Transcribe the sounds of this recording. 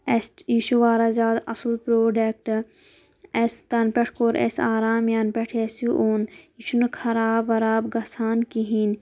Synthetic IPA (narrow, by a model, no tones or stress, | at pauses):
esʈjiʃuʋaːɾɐzaːd̪ɐsulpɾoːɖek̚ʈ | est̪ɐnpeʈʰkoːɾʔḛsaːɾaːmjanpeʈʰesiʔoːnjiʃunkʰɐɾaːbɐɾaːbɡɐsaːnkiɦin